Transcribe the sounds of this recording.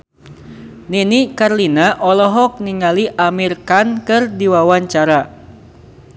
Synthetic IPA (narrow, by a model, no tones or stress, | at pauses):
ninikarlinaʔɔlɔɦɔk̚niŋaliʔamirkankɨrdiwawaɲt͡ʃaɾa